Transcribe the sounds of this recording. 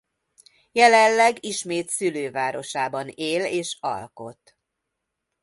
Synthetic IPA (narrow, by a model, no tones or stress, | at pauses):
jɛlɛlːɛɡiʃmeːt̪syløːvaːɾo̞ʃaːbɒneːleːʃɒ̰lko̞t̪